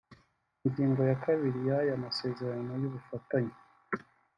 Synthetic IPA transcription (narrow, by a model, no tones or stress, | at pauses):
iɲɟiːŋɡo̞jakaβiɾijajamase̞ːze̞ɾano̞juβufataɲa